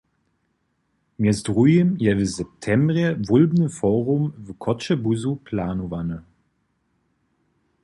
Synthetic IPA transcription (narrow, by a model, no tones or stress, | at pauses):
mɛzdʁujəmjɛvəzɛp̚tʰɛmbʁjɛvulbnəfɔːʁumvəkʰɔt͡ʃəbuzupʰlaːnuvanə